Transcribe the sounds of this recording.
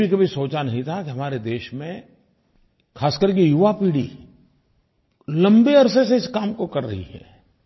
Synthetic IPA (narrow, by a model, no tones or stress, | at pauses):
ikɐbʱisoːt͡ʃanɐɦĩt̪ʰakiɦɐmaːɾed̪eːʃmẽ | kʰaːskəɾk̬ijʊʋapiːɽḭ | lɐ̃mbeɐɾseseɪskaːmkokɐɾːɐɦḭɦɛ̰ː